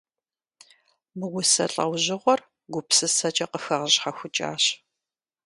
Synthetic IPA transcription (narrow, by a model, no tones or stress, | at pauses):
mɨwʷʊsɐ̰ɬʼɐ̰wʑɪʁʷɔr | ɡʷʊpsɨsɐt͡ʃʼɐqəxɐʁəɕħaxʷʊt͡ʃʼa̰ːɕ